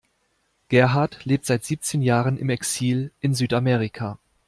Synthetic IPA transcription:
ɡ̥ɛɐɦaɐtleːp̚tz̥aɪtz̥iːp̚t͡seːnjaːʁənɪ̰mɛksiːlʔɪnzyːtamɛːʁikʰaː

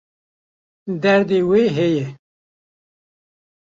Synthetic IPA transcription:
d̪ɛɾd̪eːweːɦejɛ

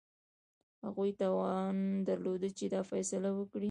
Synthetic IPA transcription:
ha̰ɣujt̪ɑwɑnd̪aɾlod̪ət͡ʃed̪ɑfajsalawəkɽi

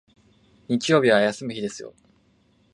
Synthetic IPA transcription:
ɲ̟it͡ɕijo̞ːbʲiβajasɨmɯ̟çid̪e̞sɨjo̞̰

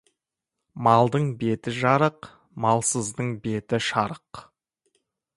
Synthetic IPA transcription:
mɑlˠd̪əɴbe̞t̪ɪʒɑɾəq | mɑlˠsəzd̪əɴbe̞t̪ɪʃɑɾəq

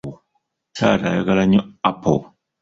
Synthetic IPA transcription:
saːɾa̰jaɡalaɲoapo̰

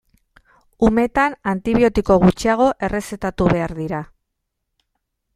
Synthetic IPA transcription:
ume̞t̪anant̪iβio̞t̪iko̞ɣ̞ut͡ʃiaɣ̞o̞ʔe̞re̞se̞t̪at̪uβe̞aɾðiɾa

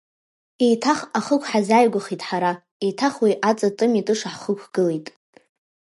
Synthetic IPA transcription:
ejtʰaχaχəkʷʰħazajɡʷaχitʼħaɾa | ejtʰaχwijʔat͡sʼatʼɨmitʼɨʂaħχəkʷʰɡ̥ɨlejtʼ

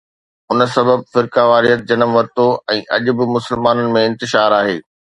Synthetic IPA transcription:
ʊnə̆sɐbəb̚fɪɾkaʋaːɾiət̪̚d͡ʑɐnəmʋɐɾt̪oɛ̃ːʔɐʄʊ̆bɪ̆mʊsəlmaːnənɪ̆mẽɪ̃nt̪ɪʃaːɾaːɦeː

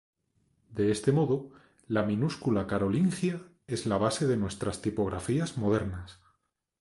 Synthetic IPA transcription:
d̪e̞e̞st̪e̞mo̞ðo | lamĩnuskulakaɾo̞liŋxja | e̞zlaβ̞ase̞ðe̞nwe̞st̪ɾast̪ipo̞ɣɾafiazmo̞ð̞e̞ɾnas

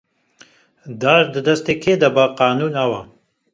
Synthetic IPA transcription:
d̪aːʒd̪ɨd̪ɐst̪eːkʰeːd̪abɐqaːnuːnɐwɐ

